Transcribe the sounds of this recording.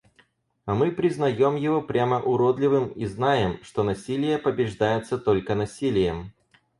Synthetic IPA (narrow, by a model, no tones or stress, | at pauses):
ɐmɨpɾʲɪznɐjo̞mjɪvo̞pɾʲaməʔʊɾod̪lʲɪvɨmiznajɪmʂt̪o̞nɐsʲilʲɪjəpəbʲɪʐd̪ajɪt̪sət̪o̞lʲkənɐsʲilʲɪjəm